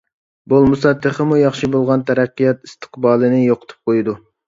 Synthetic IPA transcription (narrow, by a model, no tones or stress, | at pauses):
bolˠmusɑd̪ːəχəmujɑχʃibolˠʁɑnt̪ʰɛɾæqːijɑt̪ist̪ʰə̥qbɑːlˠɨnɪjoqʰə̥t̪ʰu̥p̚qʰojd̪u